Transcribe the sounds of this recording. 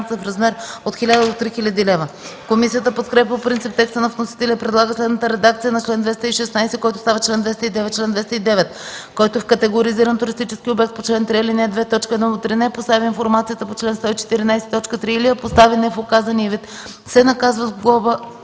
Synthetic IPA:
t̪səfɾɐzmɛɾot̪xilʲad̪əd̪ot̪ɾixilʲəd̪ilɛvəkomisijət̪əpot̪kɾɛpʲɛpɾint̪sip̚t̪ɛkst̪ənɐvnosi̥t̪ɛlʲiəpɾɛd̪lˠaɡət͡ʃ̪slɛd̪nət̪əɾɛd̪akt̪sijənɐt͡ʃlɛnd̪vɛst̪əiʃɛsnajsɛkɔjt̪o̥st̪avɐt͡ʃlɛnd̪vɛst̪əid̪ɛvɛt̪̚ːt͡ʃlɛnd̪vɛst̪əid̪ɛvɛt̪kɔjt̪oɛfkɐt̪ɛɡoɾiziɾənt̪ʊɾist̪it͡ʃɛskʲiobɛk̚t̪̚pot͡ʃlɛnt̪ɾiɛlinɛd̪vɛt̪ɔt͡ʃkəɛd̪nɔd̪ot̪ɾinɛpost̪avʲiinfoɾmat̪sijət̪əpot͡ʃlɛnst̪ɔit͡ʃɛ̥t̪iɾinajsɛ̥t̪ɔt͡ʃkət̪ɾiiliɐpost̪avinɛfokazɐniəvit̪ | sɛnɐkazvəzɡlˠɔvə

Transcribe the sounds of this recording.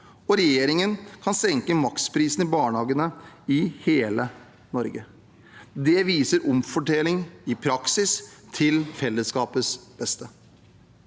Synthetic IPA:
ɔɾɛjeːɾɪŋənkʰɑnsɛŋkəmɑkspʰɾiːsn̩ɪbɑːɳhɑːɡənəɪheːlə | nɔɾɡə | d̪ɛʋiːsəɾʔɔmfɔʈɛlɪŋɪpʰɾɑksɪst̪ʰɪlfɛlːəskɑːpəsb̥ɛst̪ə

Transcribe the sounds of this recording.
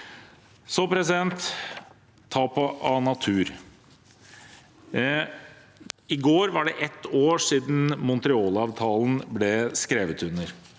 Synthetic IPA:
sɔpʰɾɛsɪd̪ɛnt̪ʰ | ɑːpʰɔʔɑnɑt̪ʰʉːɾ | ɪɡoːɾʋɑɖɛʔɛt̪ːoːʂiːd̪n̩mʊnt̪ɾɪoːlɑːʋt̪ʰɑːln̩blɛskɾeːʋət̪ʉnːəɾ

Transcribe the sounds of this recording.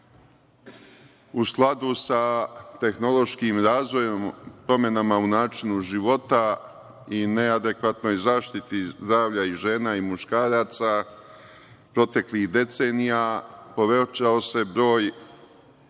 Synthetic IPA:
usklˠad̪usat̪e̞xno̞lˠo̞ʃkiːmɾaːzʋo̞jompɾo̞me̞namaunaːt͡ʃinuʒiʋo̞t̪a | ine̞ad̪e̞kʋat̪no̞jzaːʃt̪it̪izd̪ɾaːʋʎaiʒe̞ːnaimuʃkaːɾaːt̪sa | pɾo̞t̪e̞klihd̪e̞t̪se̞ːnijapo̞ʋe̞t͡ʃaose̞bɾo̞ːj

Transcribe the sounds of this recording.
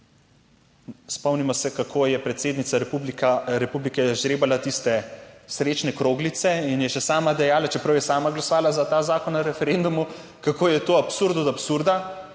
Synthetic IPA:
spɔwnimɔsɛkakʰojɛpɾɛt̪seːd̪nit̪saɾɛpublikaɾɛpublikɛʒɾeːbalat̪ist̪ɛsɾet͡ʃnɛkɾoːɡlit̪sɛinjɛʃɛsaːmad̪ɛjaːlat͡ʃɛpɾɐwjɛsaːmaɡlasɔʋaːlazat̪aːzaːkɔnaɾɛfɛɾend̪umu | kakoːjɛt̪oːapsuɾd̪ɔt̪apsuɾd̪a

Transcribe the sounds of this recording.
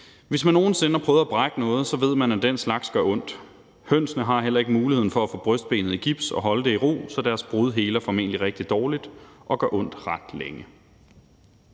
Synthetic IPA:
ʋe̝smænːo̝ːn̩se̝nəæpʰʁœːʊð̞̩ˠæb̥ʁɑɡ̥ənɔ̽ːð̞̩ˠsɒ̽ʋe̝ð̞̰ˠmænæd̥en̰slɑ̈ɡ̥sɡ̥ɶɐɔ̽n̰d̥ | høn̰snəɦɑ̈ɦel̰ɐe̝ɡ̥əmuːlihe̝ð̰ˠn̩fɒ̽æfɔ̰̽b̥ʁœsd̥̚b̥e̝̰ːnð̞̩ˠiɡ̥ib̥sɒ̽ɦɒ̽ləd̥e̝iʁo̝̰ːsɒ̽d̥æɐsb̥ʁuð̞ˠɦe̝ːlɐfɒ̽me̝̰nəliʁeɡ̥̚d̥id̥ɒːlid̥ʔɒ̽ɡ̥ɶɐʔɔ̽n̰d̥ʁɑ̈d̥leŋə

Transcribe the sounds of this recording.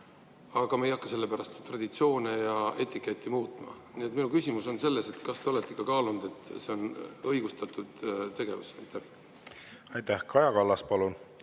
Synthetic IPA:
ɑɡ̥ɑmejɑkːɑse̞lːe̞pæɾɑst̪t̪rɑd̪̥it̪sio̞ːnejɑet̪ːˑikːˑe̞t̪ʲːˑimuːt̪ˑmɑ̰niet̪minukysʲimuso̞nse̞lːe̞se̞t̪kɑst̪e̞o̞le̞t̪ːˑe̥kːɑkɑːlund̪e̞t̪ːˑse̞o̞nɤjɡ̥ust̪ɑt̪ːˑud̪̥t̪e̞ɡe̞vṵsɑjt̪ːæh | ɑjt̪æhkɑjɑkɑlːɑspɑlun

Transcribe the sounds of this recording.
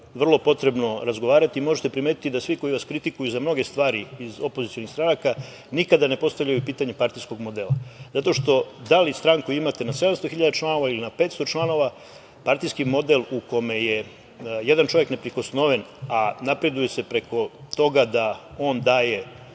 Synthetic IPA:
ʋr̩lˠo̞po̞t̪ɾe̞bno̞ɾazɡo̞ʋaːɾat̪imo̞ʒet̪e̞pɾimeːt̪it̪id̪asʋiko̞iʋaskɾit̪ikujuzamno̞ɡe̞st̪ʋaːɾiizo̞po̞zit̪ijo̞nixst̪ɾanaka | nikad̪ane̞po̞st̪aʋʎajupiːt̪aɲepaɾt̪ijsko̞ɡmo̞d̪e̞ːlazat̪o̞ʃt̪o̞d̪alist̪ɾaŋkuimat̪e̞nase̞d̪amst̪o̞xiʎad̪at͡ʃlˠano̞ʋailinape̞t̪st̪o̞t͡ʃlˠano̞ʋa | paɾt̪ijskimo̞d̪e̞lˠuko̞me̞je̞ | je̞d̪ant͡ʃo̞ʋje̞kne̞pɾiko̞sno̞ʋe̞nanapɾe̞d̪uje̞se̞pɾe̞kʰo̞t̪o̞ɡad̪ao̞ːnd̪aːje̞

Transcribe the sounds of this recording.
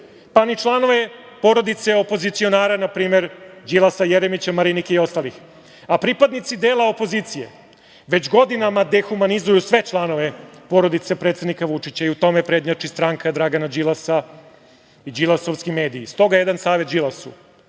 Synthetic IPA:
panit͡ʃlˠano̞ʋe̞ | po̞ɾo̞d̪it̪seopo̞zit̪sio̞naːɾanapɾiːme̞ɾd͡ʑilˠasajeɾemit͡ɕamaɾinikeio̞st̪alix | apɾipad̪nit̪sid̪e̞ːlˠao̞po̞ziːt̪sije̞̰ | ʋe̞t͡ɕɡo̞d̪inamad̪e̞xumanizujusʋe̞t͡ʃlˠano̞ʋepo̞ɾo̞d̪it̪sepɾe̞t̪sed̪nikaʋut͡ʂit͡ɕaiut̪o̞mepɾe̞ːd̪ɲat͡ʂist̪ɾaŋkad̪ɾaɡanad͡ʑilˠasa | id͡ʑilasoʋskime̞ːd̪iːst̪o̞ɡajed̪ansaːʋet̪̚d͡ʒilasṵ

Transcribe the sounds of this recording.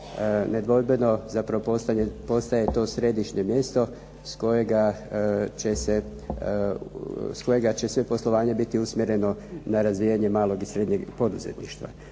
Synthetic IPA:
ned̪ʋo̞lbeno̞zapɾaʋopost̪aɲepo̞st̪aje̞t̪o̞ːsɾe̞d̪iʃɲe̞mje̞st̪o̞ | sko̞jeɡa | t͡ɕe̞se̞ | sko̞je̞ɡat͡ɕe̞sʋe̞po̞slˠoʋaːɲebit̪iusmʲjeɾe̞no̞naɾazʋijaɲe̞maːlˠo̞ɡisɾe̞d̪ɲe̞ɡpo̞d̪uzḛt̪niʃt̪ʋa̰

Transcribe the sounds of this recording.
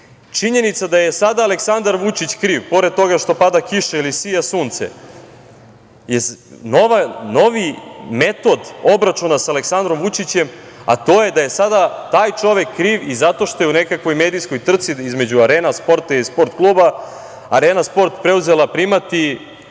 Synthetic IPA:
t͡ʃiɲe̞nit̪sad̪ajesad̪aːle̞ksand̪aɾʋut͡ʃit͡ɕkɾiːʋpo̞ɾed̪̚t̪o̞ɡaʃt̪o̞pad̪akiʃeilisijasuːnt̪sḛ | jeno̞ʋano̞ʋime̞t̪o̞d̪o̞bɾat͡ʃunasaaleksand̪ɾo̞mʋut͡ʃit͡ɕe̞ma̰t̪o̞ːje̞d̪ajesad̪at̪aːjt͡ʃo̞ʋe̞kːɾiːʋizat̪o̞ʃt̪o̞jeunekakʋo̞jme̞ːd̪ijsko̞jt̪r̩t̪siizme̞d͡ʑuaɾeːnaspo̞ɾt̪ailispo̞ɾt̪klˠuːba | aɾeːnaspo̞ɾt̪pɾe̞uze̞lˠapɾimat̪i

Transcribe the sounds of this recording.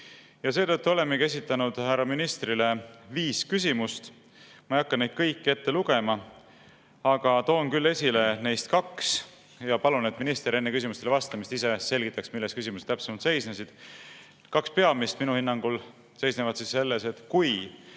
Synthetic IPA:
jɑse̞ːt̪ɤt̪ːuo̞le̞mːeke̞s̬ʲit̪ːˑɑnud̪̥hærɑminist̪ɾile̞viːskys̬ʲimust̪ | mɑijɑkːɑnnejd̪̚kɤjkːie̞t̪ːe̞luɡ̥e̞mɑ | ɑɡ̥ɑt̪o̞ːnkylːe̞sʲile̞ne̞jst̪kɑks | jɑpɑlune̞t̪ːminist̪eɾe̞nːekys̬imust̪elevɑst̪ɑmist̪ise̞se̞lʲɡ̥it̪ːˑɑksmilːest̪kysimuse̥t̪æpsemɑlt̪se̞jsnesid̪̥ | kɑkspeɑmist̪minuhinːɑŋɡ̥ul | se̞jsnevɑt̪sisːe̞lːe̞se̞t̪kuj

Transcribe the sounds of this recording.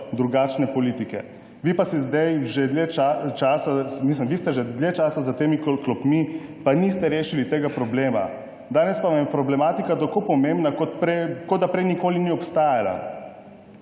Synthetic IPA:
d̪ɾuɡaːt͡ʃnɛpɔliːt̪ikɛ̰ | ʋipasizd̪ajʒɛd̪leat͡ʃaːsamislimʋist̪ɛʒɛd̪lʲjet͡ʃaːsazat̪eːmikklɔpmipanist̪ɛɾeːʃilit̪eːɡapɾɔbleːma̰ | d̪aːnɛspaʋamjɛpɾɔblɛmaːt̪ikat̪akopɔmẽmbnakot̪pɾkɔd̪d̪apɾɛjnikoːliniɔpst̪aːjala̰

